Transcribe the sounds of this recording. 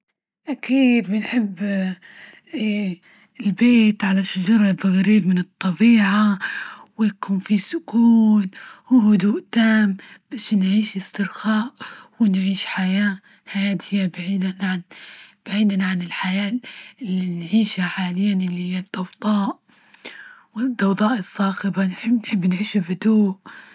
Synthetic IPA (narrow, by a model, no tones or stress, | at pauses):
ʔakiːd̪bɪnħɪbː | ɪlbeːt̪ʕalaʃad͡ʒɑɾˤɑlbɪɣaɾiːbmɪnɨt̪ˤːɑbiːʕawɪjakuːnfisʊkuːnwɪɦʊd̪uːʔt̪aːmb̥aʃnʕiːʃɪst̪ɪɾxaːʔwɪnʕiːʃħajaː | hajaːt̪hɪjːabaʕiːd̪anʕanb̥aʕiːd̪anaʕanɪlħajaːɪlːinʕiːʃaħaːlɪjːanʔɪlːihɪjːad̪ɑwd̪ˤɑːʔ | wɪd̪ːɑwd̪ˤɑːʔɪsˤːɑːxɪbanħɪbnħɪbːnʕiːʃabʊd̪uːʔ